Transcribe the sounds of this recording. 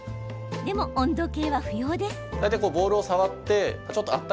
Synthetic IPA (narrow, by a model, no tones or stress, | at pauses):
d̪e̞mo̞ʔõnd̪o̞ke̞ːβaɸɯ̟jo̞ːd̪e̞sd̪̥ajt̪akoːbo̞ːɾɯ̟osaβat̪ːe̞at͡ɕo̞t̪ːoat̪ː